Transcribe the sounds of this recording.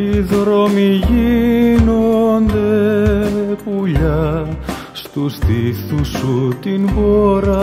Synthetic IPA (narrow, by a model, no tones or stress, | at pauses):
iðɾo̞miʝino̞nd̪e | puʎɐ | st̪usθiθusut̪inboɾɐ